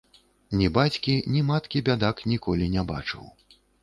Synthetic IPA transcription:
nʲibat͡sʲkʲinʲimat̪kʲibʲad̪aknʲikɔlʲinʲaba̰t͡ʂɨ̰w

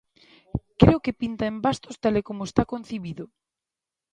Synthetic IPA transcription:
kɾeokepint̪aembast̪ost̪alekomoest̪akon̟θiβiðo

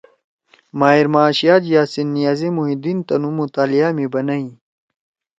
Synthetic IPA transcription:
maːiɾmaːɕijaːd͡ʑjaːsinːijaːzimuɦid̪int̪ɐnumut̪aːlijamibɐnɐĩ

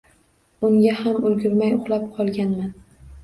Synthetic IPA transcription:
ʊŋɡʲahamʊlɡʲʊɾmajʊχlˠapqʰɒlˠɡʲanman

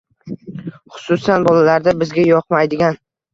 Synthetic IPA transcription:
χʊ̥sʊsanbɒlalaɾd̪abɪzɡʲajɒqmajd̪ɪɡʲan

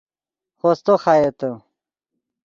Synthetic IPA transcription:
xost̪oxaːjet̪ə

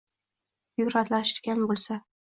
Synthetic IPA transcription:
jʊɾat̪laʃɪ̥ɡʲanbolˠsa

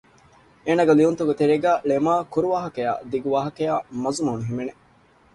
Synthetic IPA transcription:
eːnaɡelijunt̪uɡet̪eɾeɡæːlemaːkuɾuʋaːɦɐkɐja̰ːd̪iɡuʋaːɦɐkejaːmɐzumɐunuɦimene

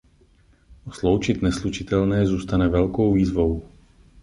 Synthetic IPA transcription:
ʔoslowt͡ʃɪt̪nɛslut͡ʃɪt̪ɛlnɛːzuːst̪anɛvɛlko̞wviːzvo̞w

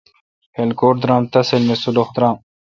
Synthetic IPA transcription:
helkoːʈ̚d̪ɾãːmt̪ɐselmesuloxd̪ɾaːm

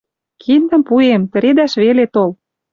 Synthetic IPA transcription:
kʰind̪ə̆mpuemt̪ə̆ɾed̪æʃβelet̪ol

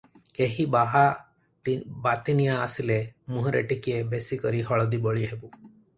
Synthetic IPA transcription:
keɦibaɦa | bat̪inijaːsilemuɦɔ̃ɾḛʈikiebesikɔɾiɦɔɭɔd̪ibɔɭiɦebu

